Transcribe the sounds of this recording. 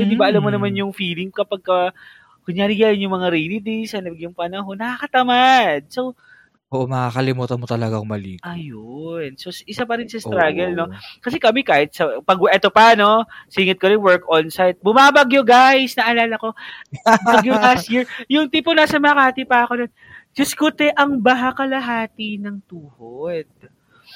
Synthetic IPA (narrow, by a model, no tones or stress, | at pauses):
od̪ibaʔɐlamːonɐmanjʊŋfiːlɪŋkɐpɐɡ̚kɐ | ɡ̥ʊɲjaːɾɪɡaːlɪnjʊŋmɐŋaɾijlɪd̪isɐnɐɡjʊŋpɐnɐɦo̞nːɐkakɐt̪ɐmad̪̚so̞w | ʔoːʔomɐkakɐlɪmuːt̪ɐnmot̪ɐlɐɡaŋmɐlḭkɐjonso̞sʔɪsapɐɾɪnsɐst̪ɾaɡɐlno̞kɐsɛkɐmɛkaːhɪt̪̚sɐpɐɡʔɛːt̪opɐno̞siːŋɪt̪̚koɾɛŋwɛɹkʔonsajt̪̚bʊmaːbɐɡjoɡajsnɐʔɐlaːlɐko̞ | bɐɡjʊŋlast̪̚jiɹjʊŋt̪iponaːsɐmɐŋɐkhaːt̪ipɐɐkod̪on | d͡ʒɐskʊt̪ɛʔɐŋbɐɦakɐlɐɦaːt̪ɪnɐŋt̪uːhod̪̥̚